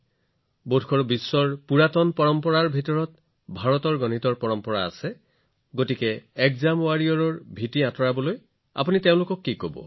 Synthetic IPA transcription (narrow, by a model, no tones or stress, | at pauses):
bodʰʱkʰɔɹbisːɔɹpuɹatɔnpɔɹɔmpɔɹaɹbʱitɔɹɔt | bʱaɹɔtɔɹɡɔnitɔɹpɔɹɔmpɔɹa̰ːsɛ | ɡotikɛɛkzamʊwaɹiɔɹɔɹbʱitiatʰɔɹabɔloj | a̰puniteʊ̃lʊkɔkːikobɔ̰